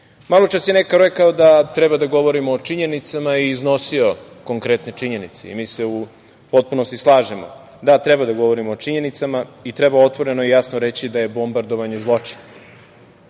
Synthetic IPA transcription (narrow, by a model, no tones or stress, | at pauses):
malˠot͡ʃasjenekaɾekaod̪at̪ɾɛbad̪aɡo̞ʋo̞ɾimoːt͡ʂiɲe̞nit̪samaiːzno̞sio̞koŋkɾet̪ne̞t͡ʂiɲe̞nit̪sḛḭmiːse̞u | po̞t̪̚punost̪islˠaːʒemo̰ | d̪at̪ɾɛbad̪aɡo̞ʋo̞ɾimoːt͡ʂiɲe̞nit̪samait̪ɾɛbaot̪ʋo̞ɾe̞no̞ijasnoɾet͡ɕid̪aje̞bo̞mbaɾd̪oʋaɲezlˠo̞t͡ʂi̥na